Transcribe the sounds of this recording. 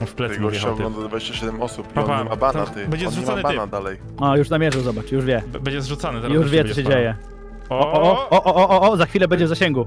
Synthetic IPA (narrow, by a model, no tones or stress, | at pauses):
fplɛɛɡɔɔɡ̪ɔ̃nd̪ɔd̪vad͡ʑeɕt͡ɕaɕɛd̪ɛmɔsupɔɛmabanat̪ɛbɛd͡ʒɛzuɛabanad̪alɛj | ajuʂnamʲjɛʐɛwzɔbat͡ʂjuʐvʲjɛbɛɲd͡ʑɛzʐut̪sanɪt̪juʂvʲjɛɔɔɕ̬ɛd͡ʑejɛ | ɔɔɔʔɔʔɔʔɔʔɔʔɔzaxfʲilɛbɛɲd͡ʑɛvzaɕɛŋɡu